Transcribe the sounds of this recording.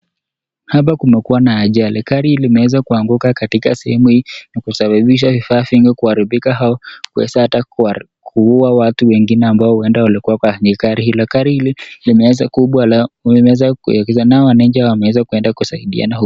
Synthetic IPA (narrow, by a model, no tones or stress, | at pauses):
hap̬akumɛkuwanaːʄalikaɾilimɛwɛzakuaŋɡukakatika̰sɛ̰hɛmuhiːnikusaɓaɓiʃ̬avifaːfiŋɡɛkuhaɾiɓikaɦaɔkuɛ̰sahata | kʰuuawatuwɛŋɡinɛambaɔhuɛndawalikuwakwaɲikaɾihilɔkaɾililimɛɛzakuɓwaɛzakṵɔkɛzanaɔwanɛɲd͡ʒiawamɛwɛzakwɛndakusaiɗḭa̰nahu